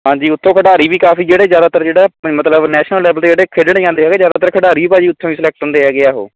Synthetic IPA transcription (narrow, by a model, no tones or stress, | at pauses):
ɦãːɲd͡ʒiːʊt̪ʰːõːkʰəʈaːɾiːbiːkaːfiːd͡ʒeːɽeːzjaːd̪aːt̪əɾd͡ʒeːɽaːmət̪ləbnɛːʃnəlːɛːbəlt̪eːd͡ʒeːɽeːkʰɪɖɳĩːãːnd̪eːɦɛːɡeːzjaːd̪aːt̪əɾkʰəɖaːɾiːbaːd͡ʒiːʊt̪ʰːõːiːsɪlɛːk̚ʈʊ̃nd̪eːɦɛːɡeaːɦo̰ː